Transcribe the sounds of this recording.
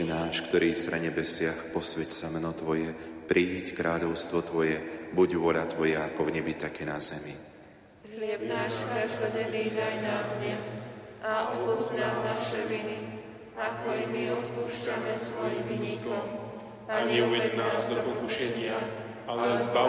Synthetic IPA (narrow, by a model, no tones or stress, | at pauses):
ɛnaːʃkt̪ɔɾiːsɾɛ̰ɲɛbɛsɪaxpɔsʋɛcsamɛnɔt̪ʋɔjɛpɾʔiɦickɾʔaːʎɔʊst̪ʋɔt̪ʋɔjɛbuɟʋɔʎat̪ʋɔjaakɔvɲɛbit̪akɛnazɛmi | ɦlɪɛbnaːʃkaʒd̪ɔɟɛniːt̪ajnaːd̪ɲɛz | ʔaɔt̪pɔznamnaʃɛʋini | akɔimiɔt̪puːʃcamɛsʋɔjimʋiɲikɔm | aɲɛuʋɛɛnapɔkuʃɛɲɪa | alɛzba